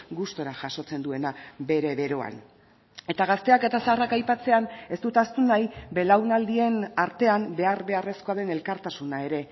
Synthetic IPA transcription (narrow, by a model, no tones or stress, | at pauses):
ɡust̪o̞ɾaʝaʃo̞t͡se̞nd̪ue̞nabe̞ɾe̞βe̞ɾo̞a̰n | e̞t̪aɣ̞ast̪e̞ake̞t̪asrakajpat͡se̞ane̞st̪ut̪ast̪unajbe̞lawnald̪ie̞naɾt̪e̞ambe̞arβe̞are̞sko̞aðe̞ne̞lkaɾt̪asunae̞ɾe̞